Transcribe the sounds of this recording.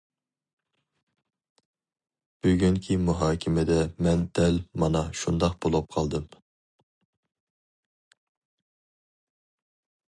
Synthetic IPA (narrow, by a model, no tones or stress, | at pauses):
b̥yɡʲyŋkʲʰimuɦɑːkʲʰɪmɪd̪ɛmɛnd̪̥ɛlmɑnɑʃund̪ɑq̚bolˠʊp̚qʰɑlˠd̪ɨm